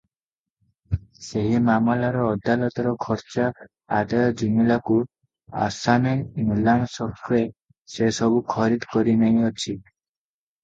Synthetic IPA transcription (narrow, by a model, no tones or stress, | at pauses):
seɦimamalaɾɔːd̪alɔt̪ɔɾɔkʰɔɾt͡ʃɔ | ad̪ajɔd͡ʒimilaku | a̰sanenulansɔkɾe | sesɔbukʰɔɾid̪kɔɾinaɦĩɔt͡ʃʰi